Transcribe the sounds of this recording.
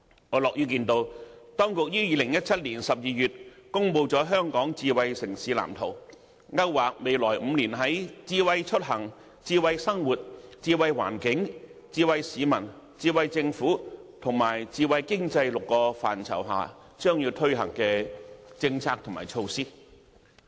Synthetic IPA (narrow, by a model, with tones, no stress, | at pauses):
ŋɔː˨˧lɔː˨k̚jyː˥kiː˧nt̪o˧wt̪ɔː˥ŋkʊ˨k̚jiː˥jiː˧lɪ˨˩ŋjɐ˥t̚t͡sʰɐ˥t̚liː˨˩nsɐ˨p̚jiː˨˧jyː˨t̚kʊ˥ŋpo˧wt͡sɔː˨˧˥ɦœː˥ŋkɔː˨˥ŋt͡siː˧wɐ˧jsɪ˨˩ŋsiː˨˥la̰ː˨˩mt̪ʰo˨˩w | ŋɐ˥wwaː˨k̚me˨˧jlɔː˨˩jm̩˨˧niː˨˩nɦɐ˨˥jt͡siː˧wɐ˧jt͡ʃʰɵ˥t̚ɦɐ˨˩ŋ | t͡siː˧wɐ˧jsɐ˥ŋwuː˨t̚t͡siː˧wɐ˧jwa̰ː˨˩nkɪ˨˥ŋt͡siː˧wɐ˧jsiː˨˧mɐ˨˩n | t͡siː˧wɐ˧jt͡sɪ˧ŋfuː˨˥t̪ʰʊ˨˩ŋmaː˨˩jt͡siː˧wɐ˧jkɪ˥ŋt͡sɐ˧jlʊ˨kːɔː˧fa̰ː˨˩nt͡sʰɐ̰˨˩wɦa̰ː˨ | t͡ʃœː˥ŋjiː˧t̪ʰɵ˥ɥɦɐ̰˨˩ŋkɛː˧t͡sɪ˧ŋt͡sʰaː˧k̚t̪ʰʊ˨˩ŋma̰ː˨˩jt͡ʃʰo˧wsiː˥